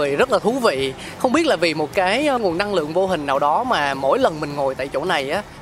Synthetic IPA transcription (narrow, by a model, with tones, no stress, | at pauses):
əzə˦˥t̚laː˨˩t̪ʰu˨˦vḭ˧˨ | xə˧wŋ͡mɓi˦˥ət̚laː˨˩vi˨˩mo˨˩t̚kaː˨˦jŋu˨˩əna˧ŋlɨ̰˧˨əŋvo˧ɦï˨˩ŋ̟naː˨˩wɗɔ˨˦maː˨˩mo̰˧˥˩jlə˨˩nmï˨˩ŋ̟ŋo˨˩jt̪a̰ː˧˨jt͡ɕo̰˧˩na˨˩jʔaː˨˦